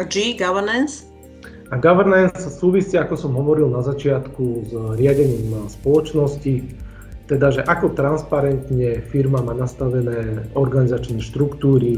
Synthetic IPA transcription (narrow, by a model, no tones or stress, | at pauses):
d͡ʒiɡaʋɛɾnɛns | aɡaʋɛɾnɛnssuːʋisiːakɔsɔmɦɔʋɔɾilnazat͡ʃɪat̪kuzɾɪaɟɛɲiːmspɔlɔt͡ʃnɔsci | t̪ɛd̪aʒɛʔakɔt̪ɾanspaɾɛnt̪ɲɛfiɾmamaːnast̪aʋɛnɛːɔɾɡanizat͡ʃnɛːʃt̪ɾukt̪uːɾi